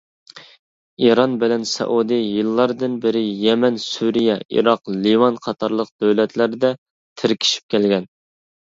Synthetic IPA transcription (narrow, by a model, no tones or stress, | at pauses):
iɾɑnbɪlɛnsɛ̰ʔud̪ɨjɨlˠːɑɾd̪ɨnbɪɾɪjɛmɛnsuɾijɛʔḭɾɑqliwɑnqʰɑt̪ʰɑɾlˠəq̚d̪øwlɛt̪ʰlæɾd̪ɛ | t̪ʰɪɾkʲʰi̥ʃi̥p̚kʲʰɛlɡʲɛn